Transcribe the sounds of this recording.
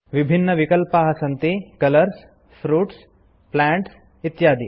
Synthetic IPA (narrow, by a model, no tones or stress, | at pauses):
ʋibʱinːɐʋikɐlpaːɦɐsɐnt̪eːkɐlɐɾs | fʰɾuːʈs | plaːɳʈs | it̪jaːd̪i